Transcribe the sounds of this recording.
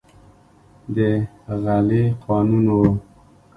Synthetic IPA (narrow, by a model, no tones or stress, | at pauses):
d̪ə | ɣaleqʰɑnunwo